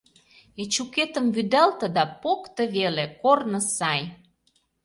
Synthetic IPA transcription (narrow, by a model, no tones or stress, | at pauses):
et͡ɕuket̪ə̆mβyd̪ælt̪ə̆d̪ɑpokt̪əβelekornə̆sɑj